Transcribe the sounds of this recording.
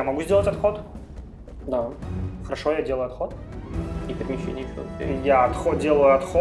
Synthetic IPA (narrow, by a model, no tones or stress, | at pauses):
jamɐɡuzʲdʲelˠətʲɐt̪xot̪ | d̪axəɾɐʂojadʲelˠəjʊɐt̪xot̪̚ | ikɐt̪mʲɪʃʲɪnʲio̰jaɐt̪xodʲe̞lˠəjʊɐt̪xo